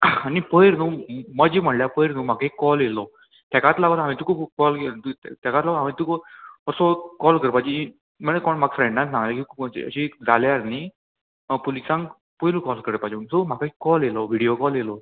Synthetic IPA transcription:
anipəjɾnuːməd͡ʑiːm̤əɽljapəjɾnũːm̤akikːɔljelɔ | t̪akat̪laɡɔt̪ɦamĩt̪ukʰubkɔlt̪ut̪ɛkat̪laɡoamit̪ukəɾsokɔlkəɾpad͡ʑi | m̤əɽ̃ekɔɳmaɡfɾẽɳɖnatsãŋɡlakikʰupḭə̰ɕid͡zaljaɾni | polisãŋɡ | pəjlukɔlkəɾəpad͡ʑnsom̤akaikːɔlelɔʋiɽijokɔljelɔ

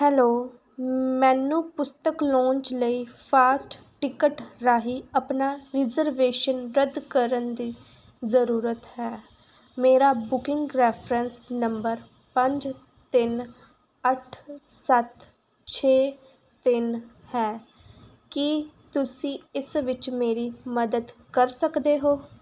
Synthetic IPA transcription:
hɛːloː | mɛ̃ːnːũːpʊst̪əklɔ̃ːɲt͡ʃləiːpʰaːsʈ | ʈɪkəʈɾaːɦiːəpnaːɾɪzəɾʋeːʃənɾəd̪kəɾənd̪iː | zəɾuːɾət̪ɦɛː | meːɾaːbʊkɪ̃ŋɡɾɛːpʰɾənsnəmbəɾ | pəɲd͡ʒ | t̪ɪn | əʈʰsət̪ | t͡ʃʰeː | t̪ɪnhɛː | kit̪ʊsĩːɪsʋɪt͡ʃmeːɾiːməd̪əd̪kəɾsəkd̪eːɦoː

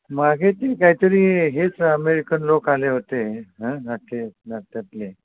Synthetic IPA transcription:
maɡʱet̪ekaɦit̪əɾiːɦet͡səmeɾikənlokaleɦot̪eɦãnat̪enat̪ːat̪le

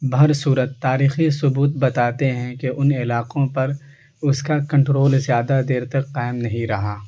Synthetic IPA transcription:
bʱɐɾsuːɾət̪ːaːɾiːxisʊbuːt̪̚bɐt̪aːt̪eɦɛ̃keʔʊnɪlaːqõpɐɾ | ʊskakɐ̃ɳʈɾoːlzjaːd̪ad̪eːɾt̪ɐkːaːɪmnɐɦĩɾɐɦaː

